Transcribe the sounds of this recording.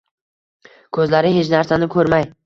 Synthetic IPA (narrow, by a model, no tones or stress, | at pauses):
kʰɵzlaɾɪhet͡ʃnaɾsanɪkʰɵɾmaj